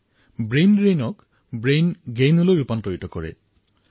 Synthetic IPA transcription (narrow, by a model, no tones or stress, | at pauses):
bɹejnɹejnɔk | bɹejnɡejnɔlojɹupantoɹitɔkɔɹɛ̰